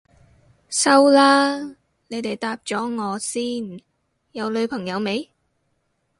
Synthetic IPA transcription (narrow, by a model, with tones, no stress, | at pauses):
sɐ˥wlaː˥ | ne˨˧jt̪e˨jt̪aː˧p̚t͡sɔː˨˥ŋɔː˨˧siː˥˩n | jɐ˨˧wlɵ˨˧ɥpʰɐ˨˩ŋjɐ˨˧wme˨˧j